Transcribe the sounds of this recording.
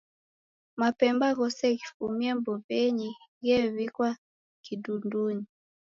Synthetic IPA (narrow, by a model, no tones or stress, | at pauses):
mapɛmbaɣɔsɛkifumiɛmbɔpɛɲiɣɛvikwa | kidunduɲi